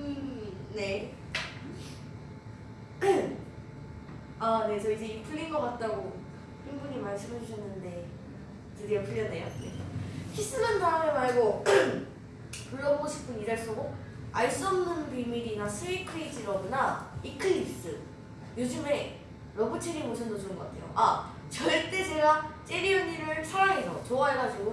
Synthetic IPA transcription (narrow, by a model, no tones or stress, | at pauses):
ɯne̞ | ane̞sʰʌid͡ʑe̞ipʰɯʎːinɡʌkat̚t͈aɡo | ɸinbuɲimaɭs͈ɯmed͡ʑʰuɕʰʌnːɯnde̞ | tɯɾiapɯʎːʌnejo | çʰis͈ɯnɯndamemaɭɡo | puɭːʌboɡoɕʰi̥pʰɯnidaɭs͈oɡo | aɭs͈uʌmnɯnbimiɾinasʰɯikʰɯid͡ʑiɾʌbunaikʰɯips͈ɯ | jod͡ʑɯme̞ | ɾʌbɯt͡ɕʰeɾimoɕʰʌndɯd͡ʑʰonɯŋɡʌk͈atʰe̞̰jo̰ʔa | t͡ɕʌɭt͈e̞t͡ɕe̞ɡat͡ɕ͈e̞ɾiɯɲiɾɯɭsʰaɾaŋesʰʌt͡ɕoaɦeɡad͡ʑiɡo